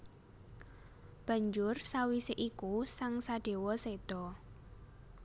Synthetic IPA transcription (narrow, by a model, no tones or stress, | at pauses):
b̥a̤ɲd͡ʒʊrsawisɪʔikusaŋsaɖ̥e̤wɔsed̪̥ɔ